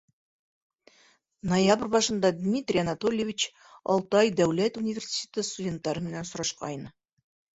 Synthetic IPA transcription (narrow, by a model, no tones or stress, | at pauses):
nojabrbɑʃɤ̆nd̪ɑd̪ʲmʲit̪rʲijanat̪olʲjevʲit͡ɕ | ɑ̰lˠt̪ɑjd̪æwlæt̪unʲivʲersʲi̥tʲet̪əst̪udʲe̞nt̪ːɑɾɤmɘ̆nænsʊ̆ɾɑʃqɑ̰jn